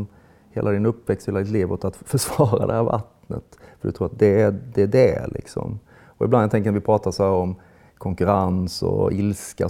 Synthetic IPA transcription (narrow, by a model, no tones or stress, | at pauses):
hḛːlʔad̪ɪnɵpːvɛkst̪heːlad̪ɪt̪liːvot̪at̪fœʂvɑːɾa̰d̪ɛhæːɾva̰t̪nə̰t̪fəɖɵt̪ʰɾuːɾat̪d̪ɛd̪ɛæɖɛlʔɪ̰ksɔ̰m | ɔɪ̰blant̪ɛŋkənat̪vɪpʰɾɑːt̪asʊhæːɾɔm | kʰɔŋkɵɾansɔ̰ɪlska̰